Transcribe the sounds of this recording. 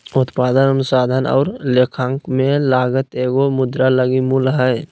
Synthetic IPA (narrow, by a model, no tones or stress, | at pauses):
ʊt̪paːd̪ənənʊsaːd̪ʱənɔ̰ːɾleːkʰaŋkmẽlaːɡət̪eːɡomʊd̪ɾaləɡimulɦɛ